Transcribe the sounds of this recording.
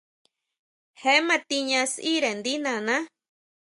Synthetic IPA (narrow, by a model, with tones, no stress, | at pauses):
he˦mã˧t̪i˧ɲã˧si˦ɾe˨nd̪i˦nã˧nã˦